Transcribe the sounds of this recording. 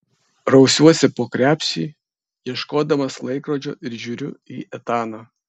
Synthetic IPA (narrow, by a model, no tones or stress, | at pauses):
ɾɐʊsʲuɔsʲɛpoːkɾʲæːpʲsʲḭː | jiɛʃkoːd̪ɐmɐslˠɐɪkɾoːd͡ʒʲo̰ːʔɪɾʒʲuːɾʲʊiːʔɛt̪ɑːnɑː